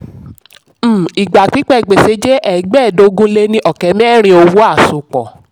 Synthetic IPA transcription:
i˨ɡ͡ba˨k͡pi˦k͡pɛ˦˨ɡ͡be˨se˧˦d͡ʒe˦ʔɛ˨ɡ͡bɛ˦˨do˨˧˦ɡũ˦le˦nĩ˧ʔɔ˨kɛ˨˦mɛ̃˦ɛ˦˨ɾ̃ĩ˧o˧wu˦a˦˨su˨k͡pɔ̰˨

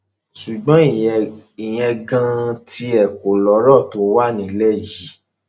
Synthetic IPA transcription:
ʃu˨ɡ͡bɔ̃˨˦i˨i˨j̃ɛ̃˧ɡã˧ti˧˦ɛ˨ko˨lɔ˨˦ɾɔ˦˨to˨˦wa˦˨nĩ˨˦lɛ˦˨ji˨˦

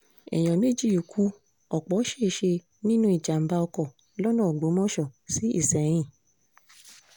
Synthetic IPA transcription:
ɛ̰˨j̃ɔ̃˨me˦˨d͡ʒi˦˨o˨kʰu˨˦ | ɔ˨k͡pɔ˨˦ʃe˦˨˦ʃe˧ | nĩ˦nũ˦i˦˨d͡ʒa˨m̩˨ba˧ɔ˧kɔ˦˨ | lɔ˦nɔ̃ː˦˨ɡ͡bo˨˦mɔ̃˦ʃɔ˦˨si˨˦ḭ˦˨sɛ˨ɾ̃ĩ˦˨

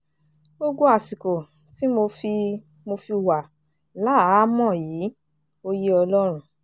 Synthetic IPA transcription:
bo˧ɡo˦a˨si˨ko˨ | ti˨˦mo˧fi˧ | mo˧fi˧wa˨ | la˨˦a˦˨˦mɔ̃˦˨jiː˨˦ | o˧ji˦ɔ˧lɔ˦ɾ̃ũ˦

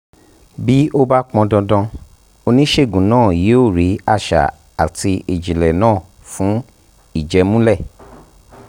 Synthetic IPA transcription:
bi˦o˦ba˦k͡pɔ̃˧dɔ̃˧dɔ̃˧ | o˧nĩ˦ʃe˦˨ɡũ˨˦nãː˦˨je˨˦o˦˨ɾi˨˦a˦˨ʃa̰˨ | a̰˨ti˧e˨d͡ʒĩ˨lɛ˨nãː˦˨ | fũ˨˦ | i˦˨d͡ʒɛ˧mũ˦lɛ˦˨

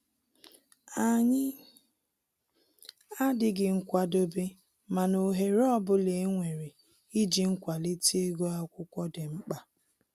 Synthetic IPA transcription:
a˨ɲɪ˦ | a˦dɪ˨ɡɪ˨ŋ̩˦kʷa˨do˦be˦ | ma˨no˨ɦe˨ɾɔ˦bʊ˦le˨˦ŋʷe˨ɾe˨ | i˦d͡ʒi˨ŋ̩˦kʷa˨le˦ti˦e˦ɡo˦a˦kʷʊ˦kʷɔ˦dɪ˨ŋ͡m̩˦k͡pa˨

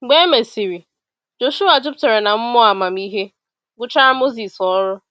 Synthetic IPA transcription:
ɡ͡be˦me˨si˨ɾi˨ | d͡ʒo˨ʃu˦a˨d͡ʒʊ˦pte˨ɾe˨na˨m̩˦mɔ˦a˨ma˨m̩i˦ɦe˦ | ɡʊ˦t͡ʃa˦ɾa˦mo˦zi˨sɔ˦ɾʊ˦

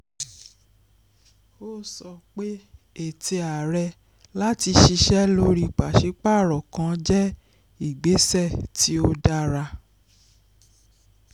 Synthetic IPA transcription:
o˦˨sɔ˧k͡pe˦ | e˦˨te˧a˨ɾɛ˧ | la˦ti˧ʃi˧ʃɛ˦lo˧ɾi˧k͡pa˨ʃi˨˦k͡pa˦˨ɾɔ˨kã˧˦d͡ʒɛ˦ | i˦˨ɡ͡be˨˦sɛ˦˨ti˨˦o˦da˦ɾa˧

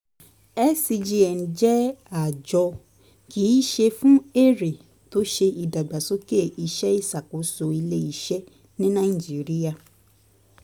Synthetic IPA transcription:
ɛ˦si˧d͡ʒi˧ɛ˨n̩˨d͡ʒɛ˦a˨d͡ʒɔ˧ | ki˨˦ʃe˧fũ˦e˦ɾe˨ | to˦ʃe˧i˨da˨ɡ͡ba˨so˨˦ke˦˨i˧ʃɛ˦i˦˨sa˨ko˨˦so˧i˧le˦i˦˨ʃɛ˦ | nĩ˦nã˦i˨d͡ʒi˨ɾi˦a˧˨

